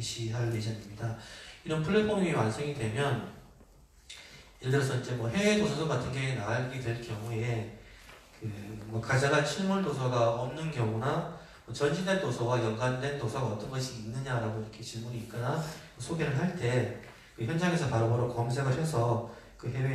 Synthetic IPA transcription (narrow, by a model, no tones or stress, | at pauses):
eɕʰiɦaɭkeɕ̬ʰianɯmɲidaiɾʌnpʰɯɭːepʰomiiwansʰeŋidwe̞mjʌn | jeɾedɯɾʌsʰʌid͡ʑe̞mwʌɦe̞we̞dosʰʌsʰokatʰɯnɡeenaaɭɡidwe̞ɭkjʌŋue̞ | kɯmwʌkad͡ʑaɡat͡ɕʰiɭmuɭdosʰaɡaʌmnɯnkjʌŋuna | mʌt͡ɕʌnd͡ʑʰidwentosʰʌwajʌŋɡwandwe̞ntosʰaɡaʌt͈ʌnɡʌɕʰiːnːɯɲaɾaɡoiɾʌkʰe̞t͡ɕiɭmuniːt̚k͈ʌnamʌsʰoɡeɾɯɭɦaɭt͈e̞ | kɯçjʌnd͡ʑaŋe̞sʰʌpaɾaboɾokʌmsʰe̞ɡapʰjʌsʰʌ | kɯɦe̞we